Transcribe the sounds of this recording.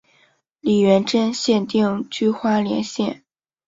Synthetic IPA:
li˨˩ɥɛ˧˥nʈ͡ʂə˥nɕjɛ˥˧nt̪i˥˩ŋt͡ɕy˥xwa˥ljɛ̰˧˥nɕjɛ˥˩n

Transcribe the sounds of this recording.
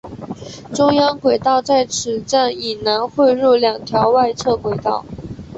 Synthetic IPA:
ʈ͡ʂʊ˥ŋjɑ˥ŋkwe˨˩ɪt̪ɑ˥˧ʊt͡sa˥˩ɪʈ͡ʂʰɻ̩˨˩ʈ͡ʂa˥˩ni˨˩na˧˥nxwe˥˧ɪɻu˥˩ljɑ˨˩ŋt̪ʰjɑ˧˥ʊwa˥˧ɪt͡sʰɤ˥˩kwe˨˩ɪt̪ɑ˥˩ʊ

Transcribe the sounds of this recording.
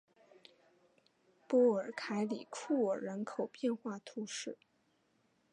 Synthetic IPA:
pwɔ˥ə˞˨˩kʰa˧˥ɪli˨˩kʰu˥˩ə˨˩ɻə˧˥nkʰo˨˩ʊpjɛ˥˧nxwa˥˩t̪ʰu˧˥ʂɻ̩˥˩

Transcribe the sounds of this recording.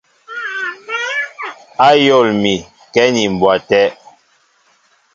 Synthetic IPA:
a˦jɔ˦˨lmi˨ | kɛ˦ni˨m˨bwa˨tɛ˦

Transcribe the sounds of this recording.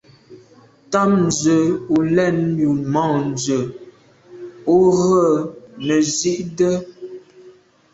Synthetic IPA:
ta˦m̚n̩˨zə˨u˨lɛ˦˨nju˨mɔ̃˦˨n˨zə˨ | o˦ɣə˦˨nə˨zi˦ʔdə˦

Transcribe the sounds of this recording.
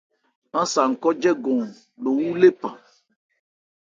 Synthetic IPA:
ã˦sa˨ŋ̩˨kɔ˦d͡ʒɛ˦ɡɔ̃˨ | ɖo˨wu˦le˦pã˨

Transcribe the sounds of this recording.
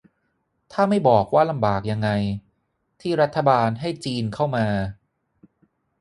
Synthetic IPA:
t̪ʰaː˥˩ma˥˩jbɔː˨˩k̚waː˥˩la˧mbaː˨˩k̚ja˧ŋːa˧j | t̪ʰiː˥˩ɾa˦˥t̪ʰːa˧baː˧nɦa˥˩jt͡ɕiː˧nkʰa˥˩wmaː˧

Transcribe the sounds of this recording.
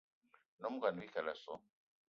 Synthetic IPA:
nɔ˦mu˦ka˨ni˨˦i˦ka˨la˨sɔ˨˦

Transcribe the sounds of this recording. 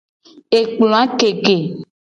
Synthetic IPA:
e˨k͡plõ˨a˦ke˨ke˨

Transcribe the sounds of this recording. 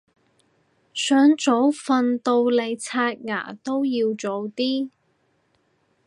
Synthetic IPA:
sœː˨˥ŋt͡so˨˥wfɐ˧nt̪o˧wle˨˧jt͡sʰaː˧t̚ŋa̰ː˨˩t̪o˥wjiː˧wt͡so˨˥wt̪iː˥

